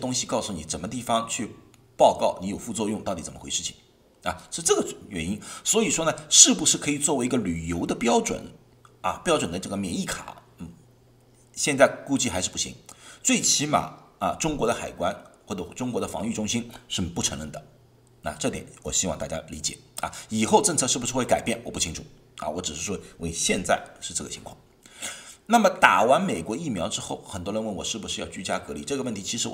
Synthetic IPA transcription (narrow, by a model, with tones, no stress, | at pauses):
t̪ʊ˥ŋɕi˨˧kɑ˥˧ʊsu˥˩ni˨˩ʈ͡ʂə˨˩nmə˦t̪̬i˥˩fɑ˧˩ŋt͡ɕʰy˥˧ | pɑ˥˧ʊkɑ˥˩ʊni˧˥jo˨˩ʊfu˥˧t͡swɔ˥˧jʊ˥˧ŋt̪ɑ˥˩ʊt̪i˨˥t͡sə˨˩mə˦xwe˧˥ɪʂɻ̩˥˩t͡ɕʰi̥̰˨˩ŋ | a˨˩ʂ̩˥˧ʈ͡ʂɤ˥˩ɡə˩ɥɛ̰˨˩ni˥nswɔ˧˥i˨˩ʂwɔ˥nə˨ʂɻ̩˥˩pu˧˩ʂɻ̩˥˩kʰɤ˧˥i˨˩t͡swɔ˥˩we˧˥ɪ˧˥ɡə˧ly˨˩jo˧˥ʊd̪ə˧pjɑ˥ʊʈ͡ʂwə̰˨˩˦n | ɐ̰˨˩pjɑ˥ʊʈ͡ʂwə˨˩nd̪ə˦ʈ͡ʂɤ˥˩ɡə˩mjɛ˨˩ni˥˩kʰa̰˨˩˦ | n̩˥˩ | ɕjɛ˥˧nt͡sa˥˩ɪku˥˧t͡ɕi˥˩xa˧˥ʂɻ̩˥˧pu˥˩ɕḭ˧˥ŋt͡swe˥˩ɪt͡ɕʰi˧˥ma̰˨˩ɐ˨ʈ͡ʂʊ˥ŋkwɔ˧˥d̪ə˧xa˨˩ɪkwa˥nxwɔ˥˩ʈ͡ʂɤ˧˩˥ʈ͡ʂʊ˥ŋkwɔ˧˥d̪ə˧fɑ̰˧˥ŋy˥˩ʈ͡ʂʊ˥ŋɕi˥nʂɻ̩˥˧˩pu˥˩ʈ͡ʂʰɤ˧˥ŋɻə˥˩nd̪ə˩ | na̰˥˧ʈ͡ʂɤ˥˩t̪jɛ̰˨˩˦nwɔ˨˩ɕi˥wɑ˥˧ŋt̪a˥˩t͡ɕja̰˥li˧˥t͡ɕjɛ̰˨˩˦ɐ̰˧˩i˨˩xo˥˧ʊʈ͡ʂɤ˥˧ŋt͡sʰɤ˥˧ʂɻ̩˥˩bu˩ʂɻ̩˧˥we˥˩ɪka˨˩ɪpjɛ˥˩nwɔ˨˩pu˥˩t͡ɕʰi˥ŋʈ͡ʂʰu˨˩˦ | ɐ̰˨wɔ˧˥ʈ͡ʂɻ̩˨˩ʂɻ̩˥˧˥we˥we˥˩ɕjɛ˥˧nt͡sa˥˧ɪʂɻ̩˥˧ʈ͡ʂɤ˥˩ɡə˩t͡ɕʰi˧˥ŋkʰwɑ̰˥˩ŋ | na˥˩mə˩t̪a˨˩wa˧˥nme˨˩ɪkwɔ˧˥i˥˩mjɑ˧˥ʊʈ͡ʂɻ̩˥xo˥˩ʊxə˨˩nt̪wɔ˥ɻə˧nwə˧˥nwɔ˨˩ʂɻ̩˥˩bu˩ʂɻ̩˥˧jɑ˥˧ʊt͡ɕy˥t͡ɕja˥kɤ˧˥lḭ˧˩ʈ͡ʂɤ˥˩ɡə˧wə˥˩nt̪ʰi˧˥t͡ɕʰi˧˥ʂɻ̩˧˥